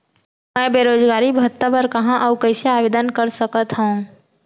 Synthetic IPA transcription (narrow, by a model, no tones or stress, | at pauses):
mɛ̃ːbeːɾoːd͡ʒɡaːɾibət̪ːəbəɾkɐɦãʔɔkɐ̃ɪseaːʋeːd̪ənkəɾsəkət̪ɦõ